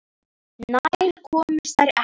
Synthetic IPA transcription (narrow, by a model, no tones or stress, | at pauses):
najjɾkʰɔːmɪɾ̥θaɾɛ